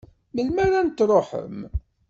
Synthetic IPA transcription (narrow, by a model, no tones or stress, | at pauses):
məlmæɾænt̪ɾˤoħə̰m